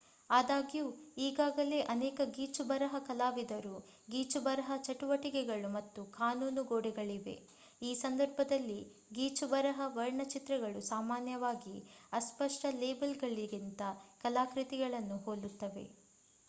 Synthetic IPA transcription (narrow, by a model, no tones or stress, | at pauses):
aːd̪aːɡijuːiːɡaːɡɐle̞ːʔɐnɛːkɐɡiːt͡ʃubɐɾɐɦɐkɐlaːʋid̪ɐɾu | ɡiːt͡ʃubɐɾɐɦɐt͡ʃɐʈuʋɐʈikɛɡɐɭumɐt̪ːukaːnuːnuɡoːɽɛɡɐɭiʋe̞̰ | iːsɐnd̪ɐɾbʱɐd̪ɐlːi | ɡiːt͡ʃubɐɾɐɦɐʋɐɾɳɐt͡ʃit̪ɾɐɡɐɭusaːmaːnjɐʋaːɡiɐspɐʂʈɐleːbɐlɡɐɭːiɡint̪ɐkɐlaːkɾit̪iɡɐɭɐnːuɦoːlut̪ːɐʋe̞̰